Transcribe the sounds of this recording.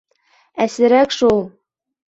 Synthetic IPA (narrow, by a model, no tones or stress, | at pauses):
æsɘ̆ɾækʃulˠ